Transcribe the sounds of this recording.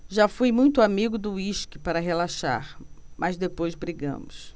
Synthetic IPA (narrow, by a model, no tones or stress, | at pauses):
ʒafujmũj̃t̪ʊamiɡʊd̪ʊiʃkɪpaɾɐɦelaʃa̰ɾmʔɐzd̪epojzbɾiɡɐ̰̃mʊs